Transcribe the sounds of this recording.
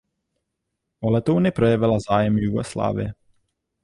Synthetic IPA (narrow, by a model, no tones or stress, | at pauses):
ʔolɛt̪ownɪpɾo̞jɛvɪlazaːjɛmjuɡo̰sla̰ːvɪ̰jɛ